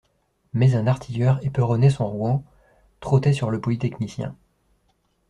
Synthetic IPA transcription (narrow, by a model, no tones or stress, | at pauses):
mɛzɛ̃naʁt̪ʰijœʁepøʁɔnesɔ̃ʁuɑ̃ | t̪χot̪ɛsyʁləpɔlit̪ɛknisjɛ̰̃